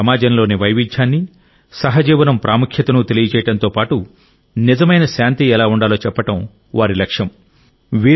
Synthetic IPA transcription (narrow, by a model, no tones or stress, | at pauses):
ɐmaːd͡ʒɐnɐlo̞ːniʋɐjʋiɲt͡ʃːaːnːi | sɐɦɐd͡ʒiːʋɐnɐmpɾʔaːmukʰjɐt̪ɐnut̪e̞lijɐt͡ʃɛːjɐɽɐnt̪o̞ːpaːʈu | nizɐmɐjnɐʃaːnt̪iɛlaːuɳɖaːloːt͡ʃɛpːɐʈɐm | ʋaːɾilɐkʂjɐm | ʋiː